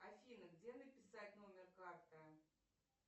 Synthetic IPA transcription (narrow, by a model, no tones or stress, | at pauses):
ɐfʲinəɡdʲenəpʲɪsatʲnomʲɪrkart̪ə